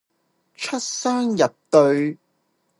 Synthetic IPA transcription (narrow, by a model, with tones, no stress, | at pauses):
t͡ʃʰɵ˥t̚saː˥ŋjɐ˨t̚t̪ɵ˧ɥ